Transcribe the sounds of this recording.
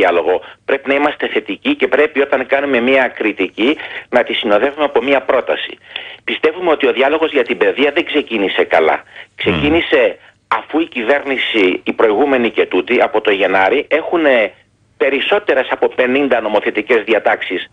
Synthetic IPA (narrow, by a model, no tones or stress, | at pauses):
ɐlo̞ɣo̞pɾe̞pinɐimɐst̪e̞θe̞t̪icice̞pɾe̞pio̞t̪ɐŋkɐnume̞miɐkɾit̪icinɐt̪isino̞ðe̞vumeɐpo̞miɐpɾo̞t̪ɐsi̥̰pist̪e̞vume̞o̞t̪io̞ðiɐlo̞ɣo̞zʝɐt̪ibe̞ðiɐðeŋɡse̞cinise̞kɐlɐ̰kse̞cinise̞ | ɐfuicive̞ɾnisiːpɾo̞iɣume̞nice̞t̪ut̪iɐpo̞t̪o̞ʝe̞nɐɾiʔe̞xune̞ | pe̞ɾiso̞t̪e̞ɾesɐpo̞pe̞nind̪ɐno̞mo̞θe̞t̪ice̞zðiɐt̪ɐksis